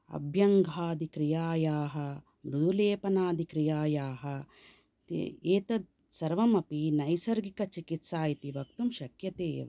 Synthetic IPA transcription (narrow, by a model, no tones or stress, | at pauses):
ɐ̰bʱjɐŋɡʱaːd̪ikɾijaːjaːɦɐ̆ | mɾud̪ʱuleːpɐnaːd̪ikɾijaːjaːɦɐ̆ | t̪eːt̪ɐd̪̚ | sɐɾʋɐmɐpinɐjsɐɾɡikɐt͡ʃikit̪saːjit̪iʋɐkt̪umʃɐkjɐt̪eː